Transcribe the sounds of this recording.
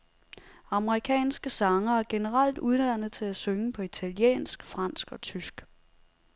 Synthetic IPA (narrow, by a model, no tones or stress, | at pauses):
ɑ̈məʁikʰɛ̰ːnsɡ̥əsɑ̈ŋɐæɐɡ̥e̝nəʁal̰d̥uð̞ˠdæn̰ð̩ˠt͡sʰe̝læsøŋəpʰɒ̽it͡sʰæljḛːnsɡ̥fʁɑn̰sɡ̥ɒ̽t͡sʰysɡ̥